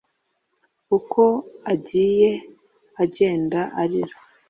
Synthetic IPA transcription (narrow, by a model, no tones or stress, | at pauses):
ukʰo̞aɟiːje̞ | aɟe̞ːndaʔaɾiɾo